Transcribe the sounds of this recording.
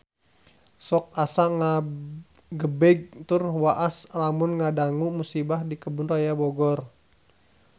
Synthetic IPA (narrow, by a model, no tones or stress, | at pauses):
sɔk̚asaŋa | ɡəbɛɡ̚t̪ʊrwaʔasalamʊnŋadaŋumusibahdikəbʊnrajabɔɡɔr